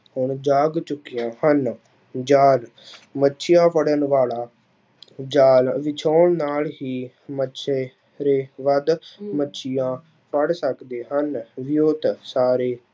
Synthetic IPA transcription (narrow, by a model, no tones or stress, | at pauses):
hʊɳd͡ʒaːɡt͡ʃʊkːijãːhən | d͡ʒaːl | mətːʃʰɪjãːpʰəɽənʋaːlaː | d͡ʒaːlʋɪt͡ʃʰaːɳnaːlɦiː | mətːʃʰeː | ɾeːʋəd̪mətːʃʰɪjãː | pʰəɽsəkd̪eːɦənʋɪjoːt̪saːɾeː